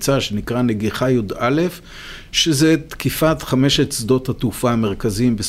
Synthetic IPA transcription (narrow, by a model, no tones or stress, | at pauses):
t͡saʃenikʁane̞ɡiχajudale̞f | ʃezet̪kifatχame̞ʃetsd̪o̞that̪ufaːmeʁkazimbes